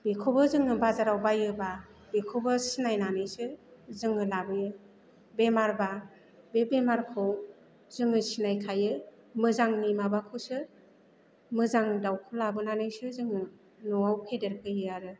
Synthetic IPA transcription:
bekʰobɯzɯŋɯbazaɾawbajɯba | bekʰobɯsinajnanɯjsɯzɯŋɯlabɯjɯ | bemaɾba | bebemaɾkʰɯw | zɯŋɯsinajkʰajɯ | mɯzaŋnimabakʰɯwsɯ | mɯzaŋdawkʰɯlabɯnanɯjsɯzɯŋɯ | nɔawpʰedeɾkʰɯjɯaɾɯ

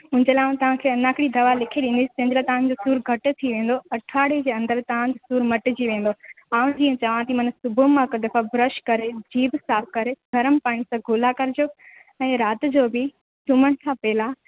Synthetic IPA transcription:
ʊ̃d͡ʑəlaːũt̪ɐʋ̤ãkʰeːɐnaːkɪɽid̪ɐʋalɪkʰeɗɪ̃nd̪ist͡ɕɐ̃ɦɲd͡ʑɪlat̪ɐʋãn̆d͡ʑosuːɾɡʱɐʈt̪ʰiʋẽːn̆d̪oɐʈʰaːɽed͡ʑeːɐ̃nd̪əɾt̪ɐʋ̤ãt̪esuːɾmɐʈɪd͡ʑiʋẽːn̆d̪o | aːʋʊ̃d͡ʑiːə̃t͡ɕɐʋãt̪imɐnsʊbʱʊmãkd̪ɐfabɾəʃkɐɾed͡ʑiːbsaːfʰkɐɾeɡʱɐɾəmpaːɽ̃isãɡʱʊːlakɐɾɪd͡ʑjo | ɛ̃ːɾaːt̪ɪ̆d͡ʑoːbɪ | t͡ɕʊməñɪ̆kʰãːpɛːla

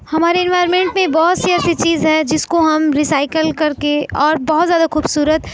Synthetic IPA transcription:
hɐmaːɾeɪ̃nʋaːjɾmẽːɳʈmẽbɔɦʊt̪seɛːset͡ʃiːzɦɛd͡ʒɪskoɦɐmɾisaːɪkəlkɐɾkeɔːɾbɔɦt̪zjaːd̪axuːbsuːɾət̪

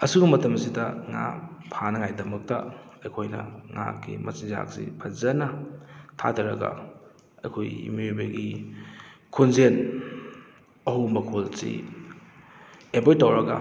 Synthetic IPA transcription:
ɐsuɡɐmɐtɐmɐsidɐŋa̰pʰanɐŋajdɐmɐk̚tɐ̰ | ɐjkʰojnɐ̰ŋa̰kḭmɐsiŋza̰k̚sḭpʰɐzɐnɐtʰa̰dʰɐɾɐ̰ɡɐ̰ | ɐ̰jkʰojḭmjbɐɡi | kʰunzen | ɐhumɐkʰolsḭ | ebojtːɐwɾɐɡɐ̰

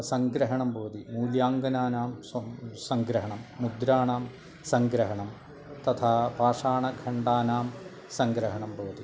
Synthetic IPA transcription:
sɐŋɡɾɐɦɐɳɐmboːd̪imuːljaːŋɡɐnaːnaːmssɐŋɡɾɐɦɐɳɐmːud̪ɾaːɳaːm | sɐŋɡɾɐɦɐɳɐm | t̪ɐt̪ʰapaːʂaːɳɐkʰɐɳɖaːnaːm | sɐŋɡɾɐɦɐɳɐmboːd̪i

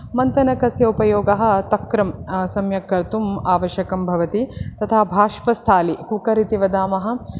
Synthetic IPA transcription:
mɐnt̪ɐnɐkɐsjɐupɐjoːɡɐɦɐ̆t̪ɐkɾɐmsɐmjɐkːɐɾt̪umaːʋɐʃjɐkɐmbʱɐʋɐt̪it̪ɐt̪ʰabʱaːʃpɐst̪ʰaːlikukɐɾit̪iʋɐd̪aːmɐɦɐ̆

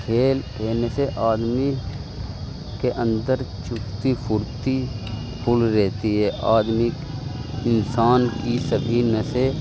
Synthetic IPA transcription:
kʰeːlkeːneseʔaːd̪mi | keʔə̃nd̪əɾt͡ʃʊkt̪ipʰʊɾt̪i | pʰʊlɾɛɦt̪iɦɛːʔaːd̪mɪkɪnsaːnkisəbʱinəse

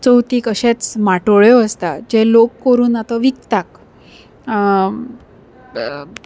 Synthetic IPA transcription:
t͡səwt̪iːkəɕet͡smaʈoɭjoəst̪ad͡ʑelokkəɾuːnat̪aʋikt̪ak

